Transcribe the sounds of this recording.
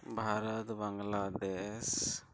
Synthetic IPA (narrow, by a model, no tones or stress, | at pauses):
bʱaɾat̪baŋlad̪es